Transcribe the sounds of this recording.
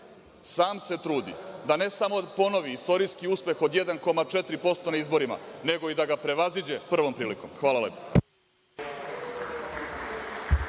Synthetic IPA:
saːmse̞t̪ɾuːd̪ḭd̪ane̞samo̞po̞no̞ʋiːst̪o̞ɾijskiuspe̞xod̪jed̪anko̞mat͡ʂet̪ɾipo̞st̪o̞naizbo̞ɾima̰ne̞ɡo̞id̪aɡapɾe̞ʋazid͡ʑe̞pr̩ʋo̞mpɾiːlikomxʋaːlˠaleːpo̥

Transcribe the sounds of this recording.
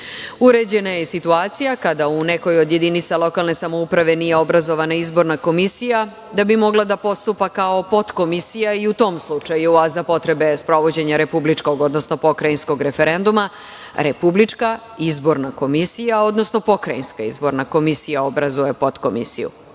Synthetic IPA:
uɾe̞d͡ʑe̞najesit̪uaːt̪sijakad̪aune̞ko̞jod̪je̞d̪init̪salˠo̞kalˠne̞samo̞upɾaʋe̞nije̞o̞bɾazo̞ʋanaizbo̞ɾnako̞misija | d̪abimo̞ɡlˠad̪apo̞st̪upakaopo̞t̪ko̞misijaiut̪o̞ːmslˠut͡ʂajuazapo̞t̪ɾe̞be̞spɾo̞ʋo̞d͡ʑe̞ɲaɾe̞publit͡ʂko̞ɡo̞d̪nosnopo̞kɾajinsko̞ɡɾe̞fe̞ɾe̞nd̪uma | ɾepublit͡ʂka | izbo̞ɾnako̞misijao̞d̪nosno̞po̞kɾainskaḭzbo̞ɾnako̞misijao̞bɾazujepo̞t̪komḭsḭjṵ

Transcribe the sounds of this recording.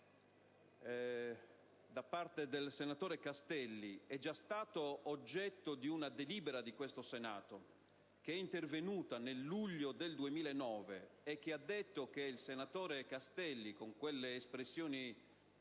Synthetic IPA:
d̪apːart̪ed̪elsenat̪oːɾekast̪ɛlːiɛd͡ʒːast̪aːt̪oːd͡ʒːɛt̪ːod̪iunad̪eliːbeɾad̪ikwest̪osena̰ːt̪o | k̟eɛint̪ervenuːt̪anelːuʎːod̪eld̪uemiːlaenːɔːvḛːk̟ːead̪ːet̪ːok̟eilsenat̪oːɾekast̪ɛlːikoŋkwelːeːspɾesːjoːni

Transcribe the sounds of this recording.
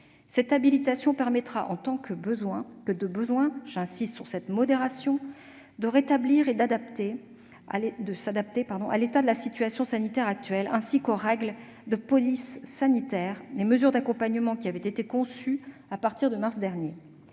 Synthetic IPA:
sɛt̪abilit̪asjɔ̃pɛʁmɛt̪χaʔɑ̃t̪ɑ̃kəbəzwɛ̃kəd̪əbəzwɛ̃ʒɛ̃sist̪syʁsɛt̪mɔd̪eʁasjɔ̃ | d̪əʁet̪abliʁed̪ad̪apt̪e | d̪əsad̪ap̚t̪epaʁd̪ɔ̃ʔa̰let̪ad̪əlasit̪ɥasjɔ̃sanit̪ɛʁak̚t̪ɥɛlɛ̃sikoʁɛɡl | d̪əpɔlisːanit̪ɛːʁleməzyʁd̪akɔ̃paɲəmɑ̃kʲiavɛt̪et̪ekɔ̃syapaʁt̪iʁd̪əmaʁsd̪ɛʁnje

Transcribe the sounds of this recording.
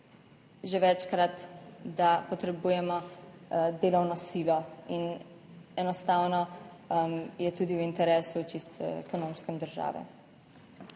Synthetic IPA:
ʒeʋɛt͡ʃkɾat̪d̪apɔt̪ɾɛbuːjɛmɔ | d̪eːlɔwnɔsilɔin | ɛnɔst̪aːwnɔmjɛt̪uːd̪iwint̪ɛɾeːsut͡ʃist̪ɛkɔnomskɛmd̪əɾʒa̰ːʋɛ̰

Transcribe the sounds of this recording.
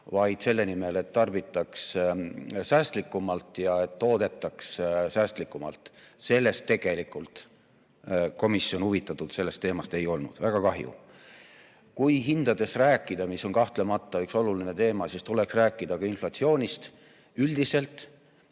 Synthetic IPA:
vɑjd̪̥se̞lːe̞nime̞le̞t̪ːɑrb̥it̪ːˑɑks | sæːst̪likːˑumɑlt̪ˑjɑe̞t̪ːo̞ːd̪̥e̞t̪ːˑɑkssæːst̪likːˑumɑ̰lt̪se̞lːe̞st̪ːe̞ɡ̥e̞likˑult̪ | ko̞misːjo̞nhuvit̪ːˑɑt̪ːˑud̪̥se̞lːe̞st̪ːe̞ːmɑst̪e̞jo̞lnṵd̪̥væɡ̥ɑkɑɦjṵ | kujɦind̪̥ɑd̪̥e̞sræːkːˑid̪̥ɑmisːo̞nkɑht̪le̞mɑt̪ːˑɑykso̞lulinet̪e̞ːmɑsist̪ule̞ksræːkːˑid̪̥ɑkɑinflɑt̪sio̞ːnʲist̪ | yld̪̥ise̞lt̪ˑ

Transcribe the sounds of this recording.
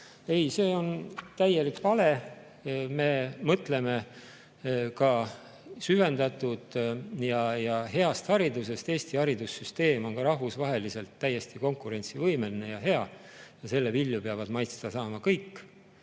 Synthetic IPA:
e̞jse̞ːo̞nt̪æjelikpɑle̞ | me̞mɤt̪le̞me̞ | kɑ | syve̞nd̪ɑt̪ːˑud̪̥jɑjɑɦe̞ɑst̪hɑɾid̪use̞st̪e̞ːst̪ihɑɾid̪̥usːyst̪e̞ːmo̞ŋkɑɾɑɦvusvɑɦe̞lise̞lt̪ːæje̞st̪iko̞ŋkːˑuɾe̞nʲt̪sivɤjme̞line̞jɑɦe̞ɑjɑse̞lːevilːjupeɑvɑd̪mɑjt̪st̪ɑsɑːmɑkɤjkː

